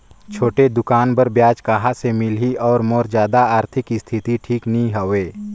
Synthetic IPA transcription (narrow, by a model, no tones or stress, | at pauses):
t͡ʃʰoːʈed̪ʊkaːnbəɾbjaːd͡ʒkaːɦasemɪlɦiɔːɾmɔːɾzjaːd̪aaːɾt̪ʰɪkist̪ʰɪt̪iʈʰiːknĩɦɐweː